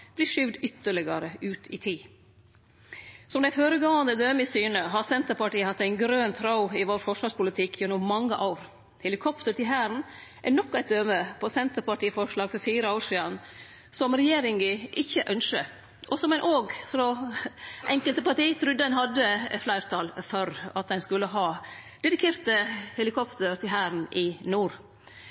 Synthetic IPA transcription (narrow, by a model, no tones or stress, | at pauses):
b̥liʂʏʋd̪ʏt̪ːəɭɪɡɑɾəʔʉːt̪ʰɪ̰t̪ʰiː | sɔmd̪æɪføːɾəɡoːɑnd̪əd̪øːmɪsyːnəɦɑɾsɛnt̪əɾpɑʈiːəhɑt̪ːæɪnɡɾøːnt̪ʰɾɑʊɪʋoːɾfɔʂʋɑːɾʂpʊlɪt̪ʰɪkʰjɛnʊmmɑŋːəʔɑʊɾ | hɛlɪkʰɔpt̪əʈ̪ɪlɦæːɾn̩ | ʔɛnɔkːæɪt̪̚d̪øːməpʰɔsɛnt̪əɾpɑʈiːfɔʂlɑːɡfɔɾfiːɾəoːɾʂiːɑn | sɔmɾɛjeːɾɪŋɡəʔɪçːəʔœnʂə | ʔɔsɔmɛnʔoːɡfɾɔ | ʔɛŋkəlt̪əpɑʈiːt̪ʰɾʉd̪ːəɛnɦɑd̪əflæɪɾt̪ʰɑːlfœɾɑ̰t̪̚d̪ɛnskʉlːəɦɑːd̪ɛd̪ɪkʰeːɾt̪əhɛlɪkʰɔpt̪əɾt̪ɪlɦæːɾn̩ʔɪnuːɾ